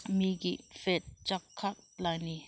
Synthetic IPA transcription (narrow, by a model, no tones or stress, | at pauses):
miɡifet̪̚t͡ʃakʰːak̚lajni